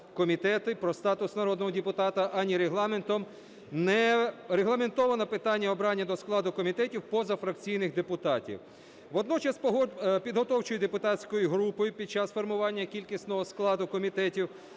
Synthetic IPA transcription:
kɔmʲit̪ɛt̪ɪpɾɔst̪ɑt̪ʊsnɐɾɔd̪nɔɦɔdʲɪpʊt̪ɑt̪ɐʔɐnʲiɾeɦlˠɑme̞nt̪ɔm | nɛɾeɦlˠɐme̞nt̪ɔʋɐnɐpɪt̪ɑnʲːɐɔbɾɑnʲːɐd̪ɔsklˠɑd̪ʊkɔmʲit̪ɛtʲiwpɔzɐfɾɐkt͡sʲijnɪxd̪epʊt̪ɑtʲḭw | ʋɔd̪nɔt͡ʃɐspɔɦpʲid̪ɦɔt̪ɔwt͡ʃʊjʊd̪epʊt̪ɑtʲsʲkɔjiɦɾupɔjʊpʲid̥̪̚t͡ʃasfɔrmʊʋɑnʲːɐkʲilʲkisʲnɔɦɔsklˠɑd̪ʊkɔmʲit̪ɛtʲiw

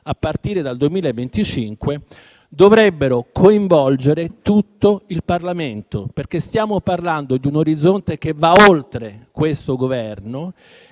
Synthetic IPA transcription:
apːart̪iːɾed̪ald̪uemiːlaevːent̪it͡ʃiŋkwe | d̪ovɾɛbːeɾokʰoiɱvɔld͡ʒeɾet̪ut̪ːoilparlament̪operk̟est̪jaːmoparland̪od̪iunoɾid̪zont̪ek̟evaolt̪ɾekwest̪oɡovɛrno

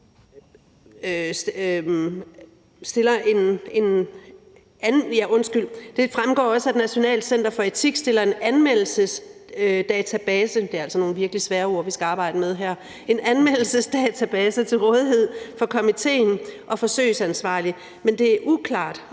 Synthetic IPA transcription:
s | sd̥e̝lɐʔe̝ne̝n | æjæʔɔ̽nsɡ̥yl̰d̥e̝fʁamɡ̥ɒ̰ːɒ̽səæd̥næɕo̝nɛ̰ːld̥sen̰d̥ɐfɒ̽e̝t͡sʰiɡ̥sd̥e̝lɐe̝nænmel̰l̩səsd̥ɛːt͡sʰæb̥ɛːsəd̥e̝æɐælsɒno̝ːn̩ʋiɐɡ̥əlisʋæːɐo̝ɐ̰ʋisɡ̥æɑ̈ːb̥ɑ̈ɪ̰d̥əmeð̞ˠɦæɐ̰ | e̝nænmel̰l̩səsd̥ɛːt͡sʰæb̥ɛːsət͡sʰe̝lʁɔ̽ːð̞ˠiɦe̝ð̞̰ˠfɒ̽kʰɒ̽mit͡sʰe̝̰ːnʔɒ̽fɒ̽sø̰ːɪsænsʋɑ̈ːli | mend̥e̝æʔukʰlɑ̰̈ːd̥

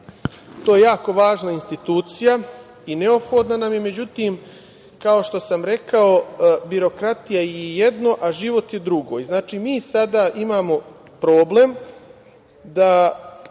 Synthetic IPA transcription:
t̪oːjejaːko̞ʋaːʒnainst̪it̪uːt̪sija | ineo̞pxo̞d̪nanamjeme̞d͡ʑut̪iːm | kao̞ʃt̪o̞samɾe̞kao̞biɾo̞kɾat̪ijajejed̪no̞ʔaʒiʋo̞t̪je̞d̪ɾuɡo̞ːjznaːt͡ʃiːmiːsad̪aːʔimaːmo̞ | pɾo̞ːble̞m | d̪a

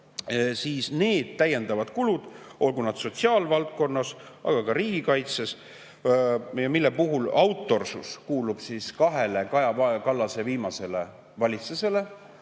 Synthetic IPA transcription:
siːsne̞ːd̪̥̚t̪ːæje̞nd̪̥ɑvɑd̪̥kulud̪̥ʔo̞lɡ̥unɑd̪̥so̞t̪ʲsiɑːlvɑlt̪̚ko̞nːɑsɑ̰ɡ̥ɑkɑɾiːɡ̥ikɑjt̪se̞s | jɑmilːepuɦulɑwt̪ːˑo̞rsuskuːlub̥siskɑɦe̞lekɑjɑvɑkɑlːɑse̞viːmɑse̞le̞ | vɑlʲit̪suse̞le̞

